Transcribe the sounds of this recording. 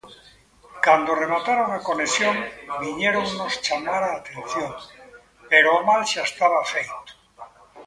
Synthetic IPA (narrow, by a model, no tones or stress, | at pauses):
kand̪oremat̪aɾoŋako̞nesjoŋbiɲeɾoŋnost͡ʃamaɾaːt̪e̞nθjoŋ | peɾomalʃaest̪aβafejt̪o̥